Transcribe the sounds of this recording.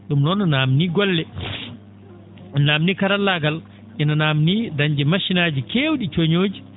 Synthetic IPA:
ɗumnɔnːɔnaːmniɡɔlːɛ | namnikaɾalːaɡal | ʔɛnanamnidaɲd͡ʒɛmaʃinaːd͡ʒikewɗit͡ʃoɲoːd͡ʒi

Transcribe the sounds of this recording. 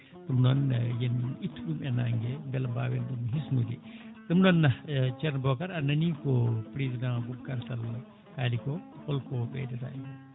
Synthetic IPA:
ɗumnɔnjɛnitʰːɗumɛnaŋɡɛbɛlmbawɛnɗumɦisnudḭɗumnɔnːat͡ʃɛɾnbɔkaɾanɐnikɔpɾizidãɡub̚kaɾsal | haːlikɔhɔlkɔbɛ̰dɛta̰ikɔ

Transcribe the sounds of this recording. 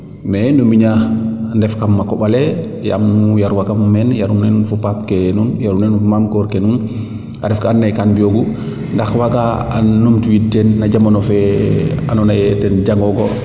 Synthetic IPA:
mɛnumiɲandɛfkamːakɔɓalɛ | ja̰mːujaɾwakammɛnjaɾunɛnfupap̚kɛnunjaɾunɛnmamkɔɾkɛnun | ʔa̰dɛfkaanːajkandioɡu | ndaxwaɡaa̰numtiwitːɛnːad͡ʒamanɔfɛanɔnajɛtɛnd͡ʒaŋɡɔɡɔ

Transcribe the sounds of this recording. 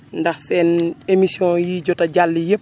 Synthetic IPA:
ndɐxsɛːnemisjɔ̃jiɟɔtɐɟalːijəp̚

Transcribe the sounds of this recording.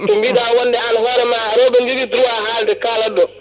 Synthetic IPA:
tɔmbidaːwɔndɛanhɔɾɛmaɾɔbend͡ʒiditɾuaɦaːltɛkaːlɐdːɔ

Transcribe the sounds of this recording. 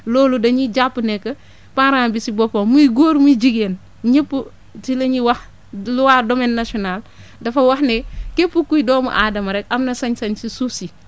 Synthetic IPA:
loːludɐɲiɟapːunɛkːɐ | paɾaːbisibɔpomuiɡoːɾmud͡ʒiɡen | ɲəpːu | tilɐɲiwɐh | luwaːdomenːasɔnaːl | dɐfɐwɐhnekepːukːujdɔːmṵʔaːdɐmɐɾɛkɐmnɐsɐɲsɐɲsisusi

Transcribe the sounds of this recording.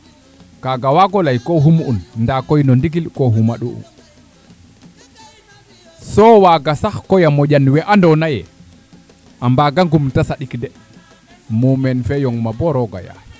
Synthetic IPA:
kaɡawaɡɔlajkɔɦumunndakɔjnɔndiɡilkɔɦumaɗuʔṵ | sɔwaɡasaxkɔjamɔʄanwɛʔandɔnajɛ̰ | ʔambaɡaŋɡumtasaɗikdɛ | mumɛnfɛjɔŋmabɔɾɔɡa̰ja̰

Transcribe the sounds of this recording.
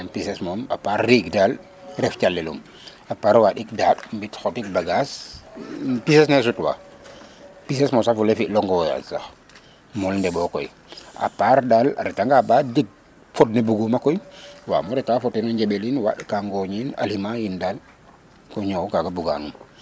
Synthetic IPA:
ampisɛsmɔma̰paɾːiɡdal | ɾɛfcalːɛlṵm | apaːɾwaɗik̚daːɗmbitxɔtik̚baɡas | pisɛs̬nɛs̬utwa̰ | pis̬ɛsmɔsafulefiʔlɔŋɡɔja̰sax | mɔlndɛbɔkɔj | a̰paɾdala̰ɾɛtaŋɡabadiɡ̚ | fɔt̚nebuɡumakɔjwa̰ːmɔɾɛtaːfɔtinɔɲɟɛɓelinwa̰ɗikaŋɡɔɲina̰lhimajindaːl | kɔɲɔwkaɡabuɡa̰num

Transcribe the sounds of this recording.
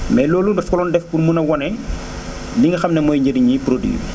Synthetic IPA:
mɛlɔːlundɐfkɔlɔːndɛfkunmunɐwɔnɛ | liŋɡɐxɐmnɐmɔːjɲəɾiɲipɾodwḭjṵ

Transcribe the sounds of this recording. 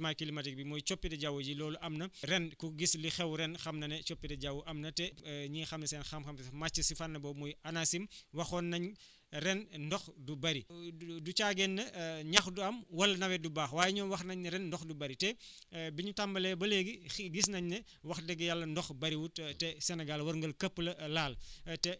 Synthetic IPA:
majkilimɐtik̚bimɔːjt͡ʃɔpːidɛɟawud͡ʒilɔːluʔɐmnɐɾɛnkuɡislixɛwɾɛnxɐmnɐnɛt͡ʃɔpːitɛɟawuʔɐmnɐtɛɲiːxɐmnɐsɛnxɐmxɐmmat͡ʃːɐsifanːɐbɔmɔjɐnasimwɐxɔːnːɐɲ | ɾɛnndɔxdubɐɾidut͡ʃaɡɛnːɐɲɐxduɐmwɐlːɐnɐwɛdubaːxwaːjɛɲɔːnwɐxnɐɲɾɛnːdɔxdubɐɾitɛ | biɲutambɐlɛbɐleːɡiɡisnɐɲnɐ | wɐxdɛɡːɛjalːɐndɔxbɐɾiwuttɛsɛnɛɡalwɐɾŋɡəlkəpːlɐlaːltɛ

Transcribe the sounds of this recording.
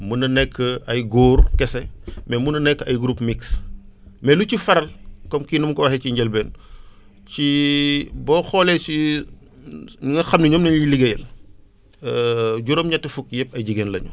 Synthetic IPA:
munɐnɛkʰːəɐjɡoːrkɛsɛmɛmunɐnɛkːɐjɡɾupmiks | mɛlucifɐɾɐlkɔmkiːnumkɔwɐheciɲɟɛlbɛːn | ci | bɔːxɔlɛsi | ŋɡɐxɐmniɲɔːmnɐɲiliɡɐjɛl | ɟuɾɔːmɲɐtːɐfukjɛp̚ɐjɟiɡɛːnlɐ̰ɲṵ

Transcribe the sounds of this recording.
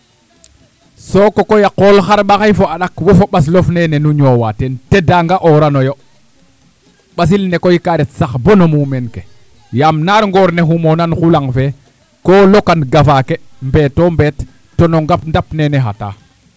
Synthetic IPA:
sokokojaqolxaɾɓaxajfoaɗakwofoɓas̬lofnɛnɛnuɲoːwatentedaŋɡaʔoɾanojo | ɓas̬ilnekojikaɾɛtsaxbonomumenke | jamnaɾŋɡoːɾneɦumonanxulaŋfe | koːlokanɡafakembɛtombɛtː | onoŋɡapndapnɛnɛɦata̰ː

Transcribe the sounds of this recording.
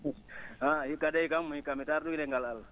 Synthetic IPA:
aɦikːadɛikamːuikːamitaɾduileŋɡalal

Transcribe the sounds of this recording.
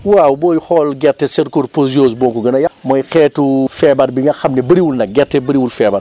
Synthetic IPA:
wawbɔːjxɔlɡɛrtːɛsɛɾkuɾpozijoːsbɔŋkuɡɐnɐjɐmɔjxɛːtufɛbɐɾbiŋɡɐxɐmnɛbɐɾiwulnɐɡɛɾtːɛbɐɾiwulfɛbɐ

